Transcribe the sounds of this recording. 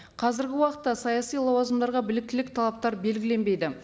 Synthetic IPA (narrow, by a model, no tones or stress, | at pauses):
qʰɑzɪɾɡʲɪwɑqət̪ːɑsɑjɑsijlˠɑwɑzəmd̪ɑɾʁɑbɪlɪk̚t̪ɪlɪk̚t̪ʰɑlˠɑp̚t̪ɑɾbe̞lɡʲɪle̞nbe̞jd̪ɪ